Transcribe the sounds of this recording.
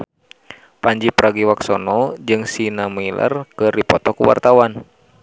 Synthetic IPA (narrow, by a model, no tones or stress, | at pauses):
paɲd͡ʒipɾaɡiwaksɔnɔd͡ʒɨŋsinamilʔə̰rkɨripɔt̪ɔkuwa̰rt̪awan